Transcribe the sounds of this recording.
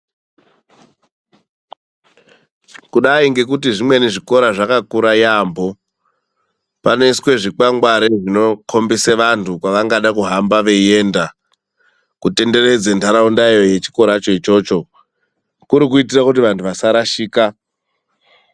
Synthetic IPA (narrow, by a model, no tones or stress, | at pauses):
kuɗaiŋɡe̞k̬utiʐimwe̞neʐiko̞ɾaʐakakuɾajambo̞ | pano̞iswe̞ʐik͡paŋɡwaɾeʐino̞kʰo̞mbiseʋantʰukwaʋaŋɡaɗakuɦambaʋe̞je̞nda | kute̞nde̞re̞d͡zentʰaɾaundaijo̞je̞t͡ʃi̥ko̞ɾat͡ʃo̞it͡ʃo̞t͡ʃo̞ | kuɾikuit̬irakut̬iʋantʰuʋasaɾaʃiːka